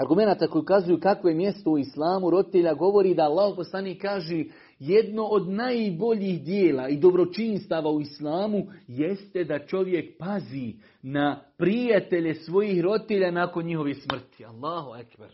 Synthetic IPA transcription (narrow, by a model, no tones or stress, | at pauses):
aɾɡume̞naːt̪akojukazujukakʋo̞jemje̞st̪o̞uislˠaːmuɾo̞d̪it̪eʎaɡo̞ʋo̞ɾiːd̪aːlːaːhoposlˠaniːkːaːʒe | jed̪no̞ʔod̪najbo̞ʎiːhd̪jeːlaːid̪o̞bɾo̞t͡ʃiːnst̪aːʋaːuislˠaːmujest̪e̞d̪at͡ʃo̞ʋje̞kpaziː | napɾijat̪e̞ʎe̞sʋo̞jiːhɾod̪it̪eʎaːnaːko̞nɲiɦo̞ʋesmr̩t̪i̥alˠːaːɦoakba̰ɾ